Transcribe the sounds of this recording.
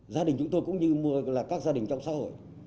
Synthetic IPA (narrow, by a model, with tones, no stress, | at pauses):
zaː˧ɗï˨˩ŋ̟t͡ɕʊ˨˦˥ŋ͡mt̪o˧jkʊ̰˧˥ŋ͡mɲɨ˧mu˧əlaː˨˩kaː˦˥k̚zaː˧ï˨˩ŋ̟t͡ɕɔ˧wŋ͡msa̰ː˧˥ho̰˧˨j